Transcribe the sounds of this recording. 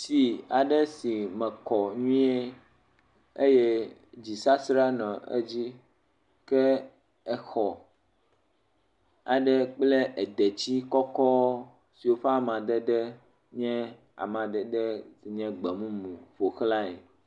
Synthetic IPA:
si˨a˨ɖɛ˦si˨mɛ̃˨kɔ˨ɲũ˦e˦ | e˦jɛ˦d͡ʑi˨sa˦sɾa˦nã˨ḛ˦d͡ʑi˦ | kɛ˦ | ɛ˨xɔ˨ | a̰˨ɖɛ˦k͡ple˦ʔɛ˨d̪ɛ˨t͡ɕi˦kɔ˦kɔ˦ | si˨wo˦ɸe˦a˦˨mã˨d̪ɛ˦ɖɛ˦ | ɲɛ̃˦ | a̰˨mã˨d̪ɛ˨ɖɛ˦si˨ɲɛ̃˦ɡ͡bɛ˨mũ˦mũ˨ɸo˨xla˦ɛ̰˨

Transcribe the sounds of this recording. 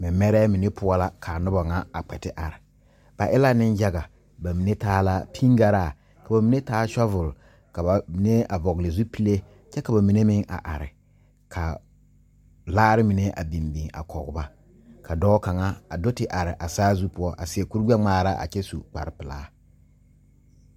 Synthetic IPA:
mɪ˨˦mɛ˦ɾɛː˦mi˨ne˦pʰʊ˦ɔ˦la˦kʰa˨nʊ˦ba˨ŋa˦a˨k͡pɛ˨tɪ˦ʔa˨ɾɪ˨ | b̥a˨ʔɪ˦la˦nɪ˦nd͡ʒa˦ɡa˨ | ba˨mi˨ne˦taː˦la˦pʰi˦ŋɡa˨ɾa˦˨ | ka˨ba˨mi˨˦ne˦taː˦ʃɔ˦vʊ˨l | ka˨ba˨mi˨ne˦a˨vɔ˨ɣle˨zu˦pi˦le˦ | t͡ʃɛ˦ka˨ba˨mi˨ne˦mɪ˦ŋa̰˨ʔa˨ɾɪ̰˨ | kʰa˨ | laː˦ɾɪ˦mi˨ne˦ʔa̰˨bi˨mbi˨ŋa̰˨kʰɔ˨ɡʊ˨˦ba˦ | kʰa˨dɔː˦ka˨ŋa˦a˨do˦tɪ˨ʔa˨ɾɪ˨ʔa˨saː˦zu˦pʊ˦ɔ˦ʔa̰˨sɪ˨ɛ˨ku˦ɾɡ͡bɛ˦ŋ͡maː˦˨ɾa˦ʔa̰˨t͡ʃɛ˦su˨k͡pa̰˨ɾɪ˨pɪ˨la̰ː˦

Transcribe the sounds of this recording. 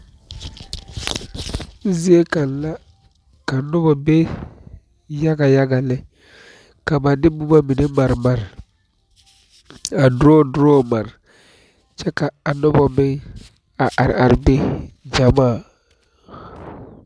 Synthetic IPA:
zi˦e˦ka˨nla˦ | ka˨nɔ˦bɔ˨be˦ | ja˦ɡa˨ja˦ɡa˨lɛ˦ | ka˨ba˨dɪ˦bu˦ba˦mi˨ne˦ma˨ɾma˨ɾ | a˨dʊ˦ɾɔ˦dʊ˦ɾɔ˦ma˨ɾ | t͡ʃɛ˦ka˨a˨nɔ˦bɔ˨bɪ˦ŋ | a˨ʔa˨ɾ̰ʔa˨ɾbe˦d͡ʒa˨maː˦˨

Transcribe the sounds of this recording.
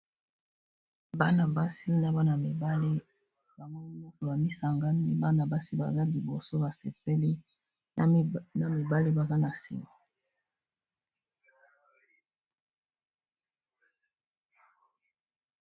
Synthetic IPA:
ba˦na˨ba˦si˦na˦ba˦na˨mi˨ba˦li˦ | ba˨mɔ˦ni˦m˦ɔ˦so˨ba˨mi˦sa˨ŋɡa˦ni˦ba˦na˨ba˦si˦ba̰˨za˦li˨bo˨so˦ba˨se˨pe˦li˦ | na˦mi˨ba˦li˦ba˨za˦na˨sḭ˨mo˦

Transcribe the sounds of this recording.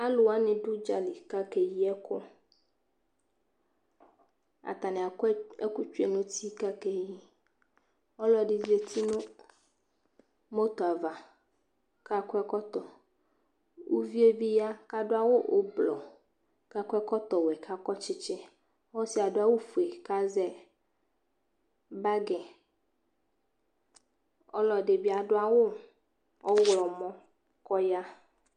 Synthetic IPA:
a˦lʊ˨a˦nɪ̃˨ɖʊ˦d͡ʒa˨li˨ka˦ke˨ji˦ɛ˦kʰʊ˦ | a̰˨t̪a˨nẽ˨a˨˦ɛ̰˦ku˦t͡ʃu˦e˨nʊ̃˦t̪ʰi˦ka˦ke˦ji˦ | ɔ˦lɔ˦˨ɖɪ˦ze˦t̪i˦nʊ̃˦ | mo˦t̪o˨a˨va˨ | ka˦kɛ˦kɔ˦t̪ɔ˨ | wu˦vi˦e˦vi˦ja˦ka˦ɖo˦a˦wo˦ʔo̰˦blɔ̰˨ | ka˦kʷɛ˦kɔ˦t̪ɔ˨wɛ˨ka˦kɔ˦t͡ʃɪ˦t͡ʃɛ˦ | wɔ˦si˨a˨do˦a˦wo˦fu˨e˨ka˦zɛ˦ | ba˦ɡɛ̃˨ | ɔ̰˦lɔ˨ɖe˨bi˦a˨ɖʊ˦a˦wo˦ | ɔ˦wlɔ˨mɔ̃˦ | kɔ˦ja˦

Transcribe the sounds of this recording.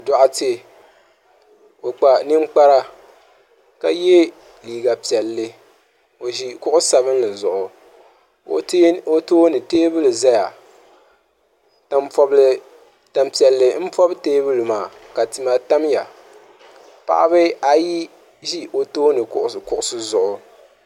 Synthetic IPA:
dɔ˨ʔa˦te˦ | o˨k͡pa˨nɨ˦ŋ͡mk͡pa˦ɾa˦ | ka˦jɛ˦ | liː˨ɡa˨pi˨ɛ˨lːɨ˦ | o˨ʒi˦kʊ˦ʔʊ˦sa˨bɨ˦n˦lɨ˨zʊ˨ʔʊ˨ | o̰˨˦o˦toː˦nɨ˨teː˦bɨ˦lɨ˨za˦ja˨ | ta˦m˦fɔ˦b | ta˦mpi˨ɛ˨lːɨ˦m̩˦fɔ˦bteː˦bɨ˦lɨ˨maː˨ | ka˨tɨ˨ma˨ta˦mja˨ | pa̰˨ʔa˦bɨ˦a˦ji˦ | ʒi˦ʔo˨toː˦nɨ˨kʊ˦ʔʊ˦skʊ˦ʔʊ˦sɨ˦zʊ˨ʔʊ˨

